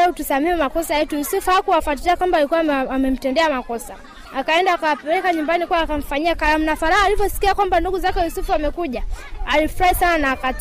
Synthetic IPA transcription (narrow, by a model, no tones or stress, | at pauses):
ɛutusamiumakɔsajɛtujusufuakuwafwatiliakwambalikuwaamɛm̩tɛndɛamakɔsa̰ | akaɛndaːkawapɛɾɛkaɲumbanikuwaːkam̩faɲiakaɾam̩nafaɾahaːlivjɔsi̥kiakwambanduɡuzakɛjusufuamɛkuʄaalifuɾaisananaːka